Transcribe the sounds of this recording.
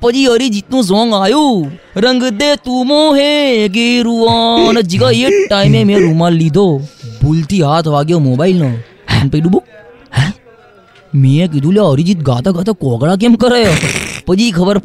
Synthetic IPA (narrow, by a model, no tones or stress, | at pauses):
pəd͡ʒiːəɾid͡ʒiːt̪nũːs̬oːŋɡaːjuː | ɾəŋɡd̪eːt̪umõːɦek̬iɾuãned͡ʒiɡaeːʈːaːimẽmẽɾuːmãːllid̪ʱoːbult̪iːɦaːt̪ʰʋaːɡjoːmoːbaːɪlnaː | npiɗuboː | ɦɛ̃ | mẽk̬id̪ʱũːljaəɾid͡ʒit̪̚ɡaːt̪aɡaːt̪akɔːɡɭak̬emkəɾəjopəd͡ʒiːkʰəbəɾ